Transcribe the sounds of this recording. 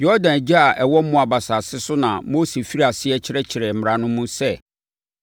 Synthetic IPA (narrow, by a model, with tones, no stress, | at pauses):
jɔ˦dã˨n˨d͡ʑa˦a˨ʔɛ˨wɔ˦m̩˦mʊ̃˦a˨ba˨sa˨sɪ˦sʊ˦nã˨mo˦se˨fi˦ɾi˦a˨sɪ˦ɛ˦t͡ɕʰɪ˨ɾɛ˦t͡ɕʰɪ˨ɾɛ˨m̩˨m˨ɾã˨nʊ̃˦mũ˦sɛ˦˨